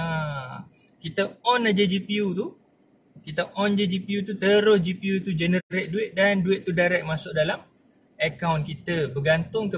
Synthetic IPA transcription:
a | kit̪əɔnad͡ʒad͡ʒipiut̪u | kit̪əʔɔnd͡ʒəd͡ʒipiut̪ut̪əɾʊsd͡ʒipiut̪ud͡ʒənəɾɛʔ̚duɪʔ̪̚danduɪʔ̪t̪ːudaɾɛk̚masʊk̚dalam | əkawnkit̪əbəɡant̪ʊŋkə

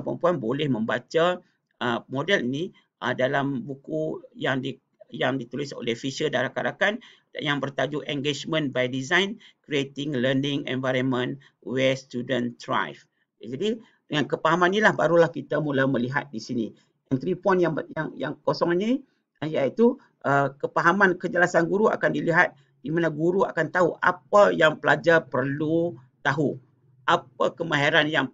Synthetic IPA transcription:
pə̰mpuanbolɛhmə̃mbat͡ʃa | əmodɛlini | ʔədalambukujaŋdi | jaŋdit̪ulɪso̰lehfiʃədaɾakaɾakan | jaŋbərt̪ad͡ʒuʔɛŋɡed͡ʒmə̃nbajdizajnkɾiet̪ɪŋlərnɪŋɛ̰̃nvajɾənmə̃n | wɛst̪judə̃nt̪ɾa̰jf | d͡ʒadi | dəŋankəpaɦamãnilahba̰ɾulahkit̪amulaməliɦa̰t̪̚disinḭ | ant̪ɾipɔjnjajaŋja̰ŋkosɔŋɲi | ajait̪u | ʔəkəpaɦamankəd͡ʒəlasanɡuɾua̰kandiliɦat̪̚ | dimanaɡuɾua̰kant̪aɦuʔa̰p̚ajaŋpəlad͡ʒarpərlut̪aɦu | ʔap̚akəmaɦeɾanjaŋ

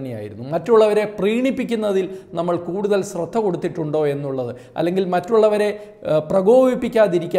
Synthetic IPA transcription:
nːeja̰ːjḭɾunːumɐtːuɭːɐʋɐɾe̞priːɳipːikʲːunːɐðilnɐmːɐɭkuːɽuðɐlɕrɐt̪ʰːɐko̞ɽut̪ːiʈːuɳɖo̞ːe̞nːuɭːɐðɨ | ɐ̰lːe̞ŋɡilmɐtːuɭːɐʋɐɾe̞ | prɐɡo̞ːbipːikʲːaːðiɾikʲːa

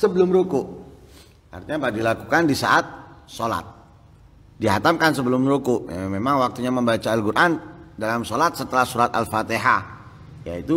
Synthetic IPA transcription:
səbəlʊmɾokʊʔ | a̰rt̪iɲabadilakukandisa̰ʔat̪̚sola̰t̪̚ | diɦat̪amkansəbəlʊmɾokʊʔja̰memaŋwak̚t̪uɲaməmbat͡ʃaːlkuɾʔandalamsolat̪̚sət̪əlahsuɾat̪a̰lfat̪eɦa | ja̰it̪u

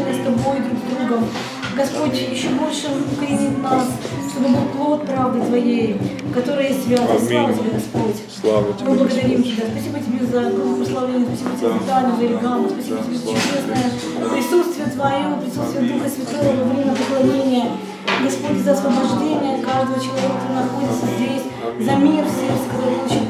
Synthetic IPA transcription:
nəst̪ɐbo̞jd̪ɾuɡzd̪ɾuɡəm | ɡɐspo̞tʲjɪɕːobo̞lʲʂɨkɾʲɪnʲit̪nasʂt̪obɨbɨlˠpklˠot̪̚pɾavd̪ɨt̪vɐjejkɐt̪o̞ɾɨjəjesʲtʲɪbʲazɐsˠamətʲɪbʲeɡɐspotʲ | mɨblˠəɡəd̪ɐɾʲimtʲɪbʲaspɐsʲibətʲɪbʲezɐɡˠpɾəslˠɐvlʲenʲspɐsʲibətʲɪbʲesɪsɨalʲnəvəlʲɪɡalˠmʊspɐsʲibətʲɪbʲezət͡ɕt͡ʃʊdʲesnəjə | pɾʲɪsut̪st̪vʲɪjət̪vɐjopɾʲɪsut̪st̪vʲɪjəd̪uxəsvʲɪt̪o̞vəɐvɾʲemʲɪnəpəklˠɐnʲenʲɪjə | ɡɐspotʲzəɐsvəbɐʐdʲenʲɪjəkaʐd̪əvət͡ɕɪlˠɐvʲekɐt̪oɨnɐxo̞dʲɪt̪səzʲdʲesʲ | zɐmʲirsʲet̪ʲkɐt̪oɾɨpɐlˠut͡ɕit̪

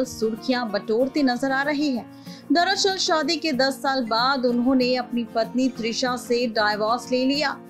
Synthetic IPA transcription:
lsʊɾkʰijãːbɐʈoːɾt̪enɐzəɾaːɾɐɦeɦɛ̃ː | d̪ɐɾəʃəlʃaːd̪iked̪ɐsːaːlbaːd̪ʊnɦõːneɐpnipɐt̪nit̪ɾɪʃãseɖaːɪʋaːsleːlijaː

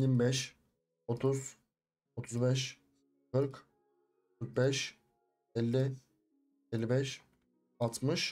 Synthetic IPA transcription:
imbɛʃ | ot̪ʰuz | ot̪ʰuzbɛʃ | kʰɯɾk | kʰɯɾk̪̚bɛʃ | ɛlʲːɪ | elʲːibɛʃ | at̪ʰmɯʃ

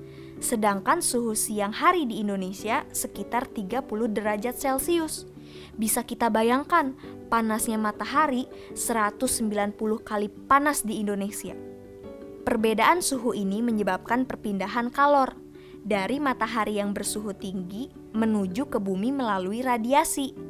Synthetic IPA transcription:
sədaŋkansuɦusiaŋhaɾidiːndonesiasəkit̪art̪iɡapulʊhdəɾad͡ʒat̪̚sɛlsiʊs | bisakit̪abajaŋkanpanasɲamat̪aɦaɾi | səɾat̪ʊsːəmbilanpulʊhkalipanasdiːndonesia̰ | pərbedaʔansuɦuʔiniməɲəbap̚kanpərpindaɦankalɔr | daɾimat̪aɦaɾijaŋbərsuɦut̪iŋɡi | mənud͡ʒukəbumiməlaluiɾadiasi

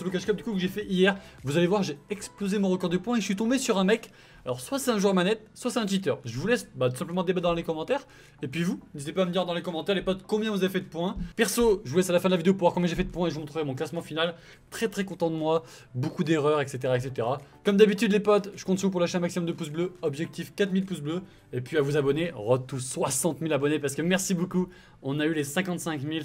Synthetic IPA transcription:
səbɔkaʃkɔp̚d̪ykukəʒefɛʔijɛʁvuzalevwaʁʒeɛksplozemɔ̃ʁəkɔʁd̪əpwɛ̃eʒəsɥit̪ɔ̃besyʁɛ̃mɛk | alɔʁswasɛɛ̃ʒuʁmanɛt̪̚swasɑ̃ɛ̃t̪ɥit̪œ̰ʁʒəvulɛsbat̪usɛ̃pləmɑ̃d̪ebad̪ɑ̃lekɔmɑ̃t̪ɛʁ | epɥivuməd̪zit̪epaməd̪iʁd̪ɑ̃lekɔmɑ̃t̪ɛʁlepɔt̪kɔ̃bjɛ̃vuzavefɛd̪əpwɛ̃pɛʁsoʒəvulɛsalafɛ̃d̪əlavid̪eopuʁvwaʁkɔ̃bjɛ̃ʒefɛd̪əpwɛ̃eʒəmt̪χuvemɔ̃klasmɑ̃final | t̪χɛt̪χɛkɔ̃t̪ɑ̃d̪əmwa | bokud̪eʁœʁɛkset̪eʁaɛkset̪eʁakɔmd̪abit̪yd̪lepɔt̪ʒ̥ə̥kɔ̃t̪svup̬uʁlaʃeɛ̃maksimɔmd̪əpusbløɔbʒɛk̚t̪ifkat̪milpus̬blø | epɥiavuzabɔneʁɔt̪uswasɑ̃t̪milabɔnepaʁsəkəmɛʁsiboku | ɔ̃naylesɛ̃kɑ̃t̪sɛ̃kmil

